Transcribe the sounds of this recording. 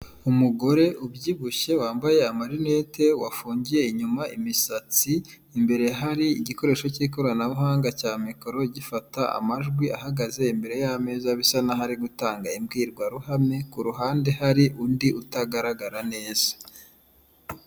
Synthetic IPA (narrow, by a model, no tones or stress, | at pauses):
umuɡo̞ɾe̞ʔubɟiβɡuʃe̞waːmbaje̞amaɾinete̞wafuːɲɟije̞iɲumaʔḭmisat͡siː | mbe̞ɾe̞ɦaɾiiɟiko̞ɾe̞ːʃo̞ciko̞ɾanaβuɦaːŋɡacaːmiko̞ɾo̞ɟifataa̰maʒɡwiaɦaɡaze̞imbe̞ɾe̞jame̞ːzaβisanaɦaɾiɡutaːŋɡaimɡiːɾɡwaɾuɦame̞kuɾuɦaːnde̞haɾiʔundiʔutaɡaɾaɡaɾane̞ːz̥ḁ